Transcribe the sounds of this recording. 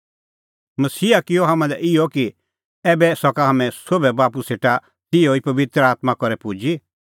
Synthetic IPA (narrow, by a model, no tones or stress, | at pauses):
mɐsiːakɪɔɦamãlɛʔɪjɔki | ɛːbɛsɔkaɦɐmɛ̃sobɛbaːpuseːʈa | t̪ɪoipɐʋɪt̪ɾaːt̪makɔɾɛpud͡ʒi